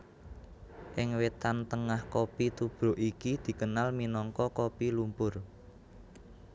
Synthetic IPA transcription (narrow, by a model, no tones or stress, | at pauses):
ʔɪŋwet̪ant̪əŋahkopit̪ub̥ɾo̤ʔikid̪̥i̤kənalminɔŋkɔkopilumpʊr